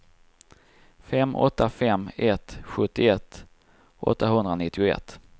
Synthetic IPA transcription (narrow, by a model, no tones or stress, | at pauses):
fɛmːʔɔ̰t̪ːafɛmːɛt̪ɧɵt̪ːɪɛt̪ː | ʔɔ̰t̪ːaɦɵnd̪ɾanɪt̪ːɪʊɛ̰t̪ː